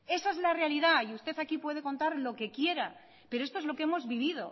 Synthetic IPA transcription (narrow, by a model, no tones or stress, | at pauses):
e̞saezlarealiðaiust̪e̞θakipwe̞ð̞e̞ko̞nt̪aɾlo̞ke̞kje̞ɾa | pe̞ɾoe̞st̪oezlo̞keemo̞zβiβ̞ið̞o̞̰